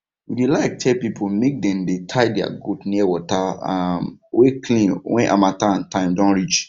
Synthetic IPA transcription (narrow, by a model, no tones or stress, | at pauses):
widelaɪk̚tʰɛlpipʰomek̚dɛ̃mdetʰaɪdɛa̰ɡotniɛwɔtaamwekʰlĩnwɛ̃nʔa̰mataãntãɪ̃mdɔ̃nɹit͡ʃ